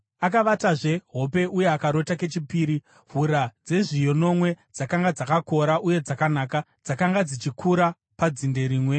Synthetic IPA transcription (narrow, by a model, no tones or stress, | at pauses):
ak̬aʋataʐe̞ɦo̞p̬e̞ʔuje̞akaɾo̞take̞t͡ʃipiːɾi | vuɾad͡ze̞ʐijo̞no̞mwe̞d͡zakaŋɡad͡zakako̞ɾaʔuje̞d͡zakanaːka | d͡zakaŋɡad͡zit͡ʃikʰuɾa | pad͡zinde̞ɾiːmwe